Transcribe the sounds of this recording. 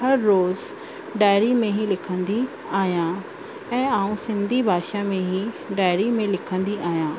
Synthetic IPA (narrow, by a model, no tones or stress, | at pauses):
ɦɐɾːoːz | ɖaːɪɾimẽɦilɪkʰə̃nd̪i | aːɦjã | ɛ̃ːaːũsɪ̃nd̪ʱibʱaːʃamẽɦi | ɖaːɪɾimẽlɪkʰə̃nd̪iaːɦijãː